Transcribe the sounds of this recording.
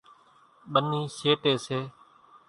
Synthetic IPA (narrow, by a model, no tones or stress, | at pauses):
ɓəniːʃeːʈeːseː